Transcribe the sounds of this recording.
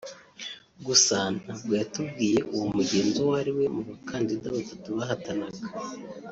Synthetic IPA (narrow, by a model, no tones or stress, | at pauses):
ɡusaːn̥habɡwatub̚ɡiːje̞ʔuwomuɟe̞ːnzowaɾiwe̞muβakʰaːndidaβatatuβaɦatanaɡḁ